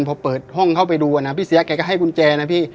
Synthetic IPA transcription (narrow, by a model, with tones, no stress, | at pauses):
npʰɔː˧pɤː˨˩t̪̚hɔ˥˩ŋkʰa˥˩wpa˧jduː˧ʔa˧na˦˥pʰiː˥˩si˨˦ɐ˦kɛː˧˩kɔ˥˩ɦa˥˩jku˧nt͡ɕɛː˧na˦˥˩pʰiː˥˩